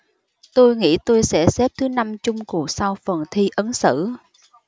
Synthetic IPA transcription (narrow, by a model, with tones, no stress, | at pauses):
t̪o˧jŋḭ˧˥t̪o˧jsɛ̰˧˥sɛ˦˥p̚t̪ʰɨ˨˦na˧mt͡ɕʊ˧ŋ͡mku˨˩ək̚sa˧wfə˨˩nt̪ʰi˧ʔə˨˦nsɨ̰˧˨